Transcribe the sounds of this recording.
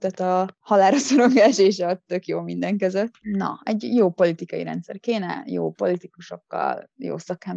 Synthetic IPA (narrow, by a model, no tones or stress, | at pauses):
t̪aːt̪ɒhɒlaːɾɒsoɾo̞ŋɡaːʃeːʃɒt̪ø̞kjoːmind̪ɛŋkøzøt̪ːnɒ̰ɛɟjoːpo̞lit̪ikɒjḭɾɛ̰nt̪sɛ̰rkeːnɛ̰jo̰ːpo̞lit̪ikuʃo̞kːɒ̰ljo̰ːsɒkɛm